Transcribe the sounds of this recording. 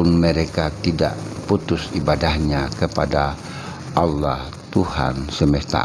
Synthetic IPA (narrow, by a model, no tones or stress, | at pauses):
ʊnməɾekat̪ida̰ʔput̪ʊsibadahɲakəpada | ʔɑlːah | t̪uha̰nsəməst̪a̰